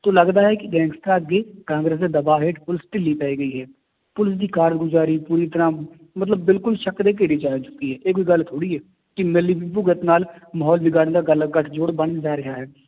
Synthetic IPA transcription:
t̪oːləɡd̪aːɦɛkiɡɛ̃ːŋɡst̪ʰaːt̪ɡekãːŋɡɾeːs̬d̪ed̪əbaːɦeːʈpʊlɪsʈɪlːiːpɛːiɡəiɦɛː | pʊlɪsd̪iːkaːɾəɽɡʊd͡ʒaːɾiːpuːɾit̪əɾãː | mət̪ləbːɪlkʊlʃəkd̪eːk̬elid͡ʒaːjat͡ʃʊ̥kiɦɛːʔeːkoiɡəlt̪ʰoːɽiɦɛː | kimɪlːibibʊɡət̪naːlməɦɔːlbɪɡaːned̪aɡlɡəʈʰd͡ʒoːɽbənd͡ʒaːɾɐɦaːɦɛː

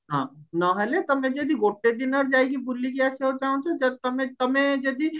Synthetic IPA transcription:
ɦãːnɐɦɛlet̪ɔmẽd͡ʒɐd̪iɡoːʈːed̪ɪnəɾd͡ʒaːeɡibulːikeɛseɦot͡ʃaːɦũt͡ʃʰod͡ʒɐd̚t̪ɐmẽt̪ɐmẽd͡ʒɐd̪i

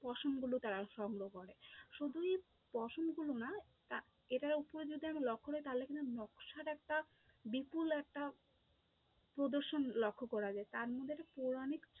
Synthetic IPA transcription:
pɔʃomɡulot̪aɾaʃɔŋɡɾokɔɾeʃud̪ʱue | pɔʃomɡulona | t̪a | eʈaɾupoɾed͡ʑud̪ʱiamalɔkʰːoɾt̪aɦlekint̪unɔkʃaɾɛk̚ʈa | bipulɛk̚ʈa | pɾod̪oɾʃonlɔkʰːokɔɾad͡ʑaet̪aɾmod̪ʱːeʈapoɾanikt͡ɕ

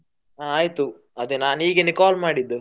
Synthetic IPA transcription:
aaːjt̪u | ɐd̪enaːniːɡenikaːlmaːɽid̪ːu

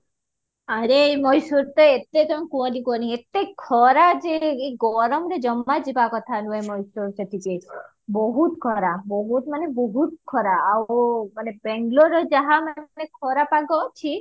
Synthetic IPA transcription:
aɾemɔjsuɾt̪ɔet̪et̪ɔmẽkuɔ̃nikɔniet̪ːekʰɔɾad͡ʒeɡɔɾɔmɾed͡ʒɔmːad͡ʒibakɔt̪ʰanuemɔjsuɾd͡ʒet̪ʰike | bɔɦut̪kʰɔɾabɔɦut̪manebɔɦut̪̚kʰɔɾaːwmanebɛŋɡloɾɔd͡ʒaɦamanekʰɔɾapaɡɔt͡ʃʰi

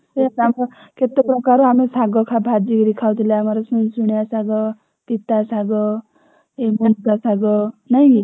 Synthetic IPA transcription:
seat̪amɾɔket̪eprɔkaɾoɦamɾsaɡɔkʰabʱad͡ʒikɾikʰawt̪ʰilaamaɾosunsuɽjasaɡɔ | pit̪asaɡɔ | emunkasaɡɔnʌj

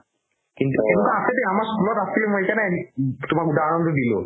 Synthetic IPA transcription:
kint̪uemkaaset̪eamaɾskulɔt̪ast̪ʰilemoejkanɛt̪omaɾud̪ʱaɾanond̪od̪ilo̰

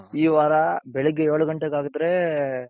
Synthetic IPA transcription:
iːʋaːɾɐbɛɭɛɡːeeːɭuɡɐɳʈeɡaːɡɯd̪ɾe

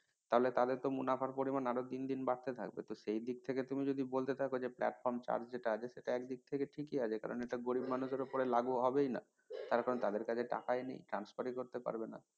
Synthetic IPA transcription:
t̪aɦolet̪ad̪eɾt̪omunapʰaɾpoɾimanaɾot̪ind̪inbaɾt̪et̪ʰa̰k̚bḛt̪oʃejd̪ik̚t̪ʰeket̪umid͡ʑod̪ibolt̪et̪ʰakod͡ʑeplɛ̰ʈfɔɾmt͡ɕa̰ɾd͡ʑd͡ʑeʈaat͡ɕʰeʃeʈaɛkd̪ik̚t̪ʰekeʈʰikiat͡ɕʰeka̰ɾo̰neʈaɡoɾibmanuʃeɾopoɾelaɡuɦɔbejna̰ | t̪aɾkaɾont̪ad̪eɾkat͡ɕʰeʈa̰kaenḛjʈɾanspaɾikoɾt̪epa̰ɾbena̰

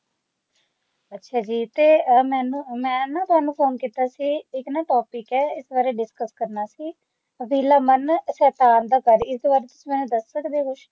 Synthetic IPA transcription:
ətːʃʰaːd͡ʒiːt̪eːmɛːnũːmɛ̃ːnãːt̪ʊɦaːnũːpʰoːnkiːt̪aːsiːɪknãːʈoːpɪkɛːɪsbaːɾeːɖɪskəskəɾnaːsiː | ʋiːlaːmənsɛːt̪aːnd̪aːkəɾɪsbaːɾt̪ʊ̥sĩːmɛ̃ːnũːd̪əsːəkd̪eːkʊʃ

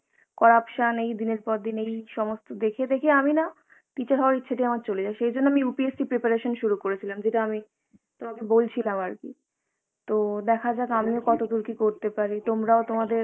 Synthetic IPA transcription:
kɔɾapʃanejd̪ineɾpɔɾd̪inejʃɔmost̪od̪ekʰed̪ekʰeamina | t̪it͡ɕaɾʰaaɾitːɕʰaʈiamaɾt͡ɕoled͡ʑaeʃejd͡ʑonːoamiupiesʈipɾepaɾeʃonʃuɾukoɾet͡ɕʰilamd͡ʑeʈaami | t̪omakebolt͡ɕʰilamaɾkḭ | t̪od̪ɛkʰad͡ʑaɡamiokɔt̪od̪uɾkikoɾt̪epaɾit̪omɾaot̪omad̪eɾ

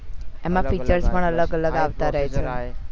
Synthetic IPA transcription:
emãfit͡ʃəɾspəɳələɡələɡaʋt̪aɾəɦet͡ʃʰe

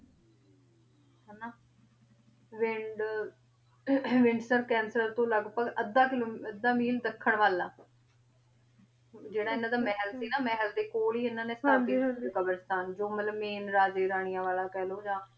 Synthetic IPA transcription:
ɦɛːnaː | ʋɪɳɖ | ʋɪɳɖsəɾkɛːnsɾəɾt̪õːləɡpəɡʔəd̪ːaːkɪloːəd̪ːaːmiːld̪əkʰːəɳʋaːlaː | d͡ʒeːɽaːɪnãːd̪aːmɛːɦəlsiːnaːmɛːɦəld̪eːkoːliːɪnːãːnẽːsaːiːɦikəbəɾst̪aːnd͡ʒoːmət̪ləbmeːnɾaːd͡ʒeːɾaːɳ̃ɪjãːʋaːlaːkɛːloːd͡ʒãː

